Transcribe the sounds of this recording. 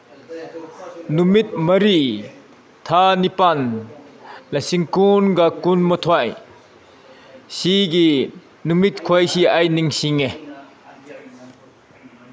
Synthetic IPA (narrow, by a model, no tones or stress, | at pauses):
numit̪̚mɐɾi | t̪ʰanipan | lɐsiŋkunɡakunmɔt̪ʰɔaj | siɡi | numit̪̚kʰɔjsiʔajniŋsiŋe